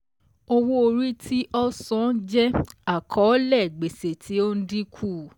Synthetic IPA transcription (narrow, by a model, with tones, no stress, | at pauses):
o˧wo˧o˧ɾi˦tʰi˦ʔɔ˦sɔ̃˨˦d͡ʒɛ˦a˦˨kʰɔ˨˦lɛ˦˨ɡ͡be˨se˨tʰi˨˦o˦n̩˦di˦kʰu˦˨